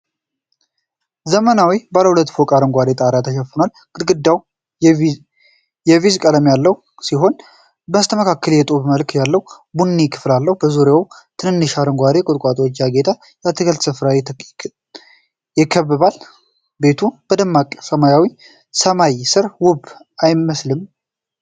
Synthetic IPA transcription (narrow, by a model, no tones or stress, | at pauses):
zəmənawibaləhulət̪ːfokʼaɾɨŋɡʷad̪e̞t̪ʼaɾat̪ʰəʃɛfːɨnal | kʼɨɡɨd̪ːaw | jɛvizkʼələmjalːəw | siɦo̞n | bəmst̪ʰəməkʰakːəljɛt̪ʼoβməlkjalːəw | bunːikʰɨ̥flalːəhbəzuɾjawt̪ʰɨnɨnːɨʃaɾəŋɡʷad̪ekʼot̪ʼkʼat̪ʼwot͡ʃːjaɡe̞t̪ʰʼa | jat̪ʰɨɡəlt̪sɨfɾawi | jɪkʰːəβːɨβal | be̞t̪ʰub̥əd̪əmːakʼsəmajawi | səmajsɨɾwʊb | ajmːəslɨm